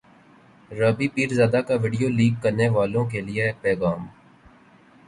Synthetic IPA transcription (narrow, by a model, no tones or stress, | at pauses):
ɾəːbiːpiːɾzjaːd̪aːkaʋɪɖijoːliːkːəɾneːʋaːlõk̬elɪepɛːɣaːm